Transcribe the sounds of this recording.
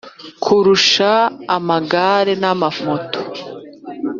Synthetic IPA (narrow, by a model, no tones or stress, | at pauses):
kʰuɾuʃaːmaɡaɾe̞namamoto̥